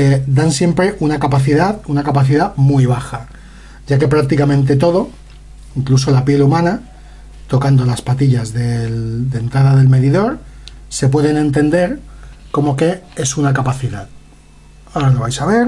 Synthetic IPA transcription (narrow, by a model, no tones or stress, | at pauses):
ed̪ansje̞mpɾe̞ʔunakapaθiðaðunakapaθiðamujβ̞axa | ɟ͡ʝake̞pɾak̚t̪ikamẽ̞nt̪̬e̞t̪o̞ð̞o̞ | iŋklus̬o̞lapje̞lumãna | t̪o̞kand̪o̞laspat̪iʎazðe̞ld̪ent̪ɾaðaðe̞lme̞ðiðo̞ɾse̞p̬we̞ðe̞nẽ̞nt̪e̞nd̪e̞ɾko̞mo̞ke̞e̞sunakapaθiðað | aɾanoβajsaβ̞e̞ɾ